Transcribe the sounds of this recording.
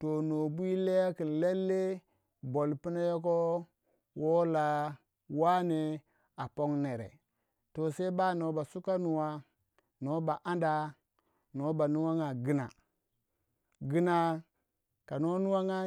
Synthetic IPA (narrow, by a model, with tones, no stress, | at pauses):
to˨no˨bu˦i˦le˦ja˦ki˨nle˦lːe˦ | bo˨lpi˦na˦jo˦k̬o˦ | wo˦la˨ | wa˦ne˨ | a˨po˦ŋne˨ɾḛ˨ | to˨se˦ba˦no˨ba˨su˦ka˦nu˨wa˨ | no˨˦ba˨ʔa˦nda˨ | no˨˦ba˨nu˦wa˦ŋa˨ɡi˦na̰˨ | ɡi˦na˨ | ka˨no˦nu˦wa˦ŋa˦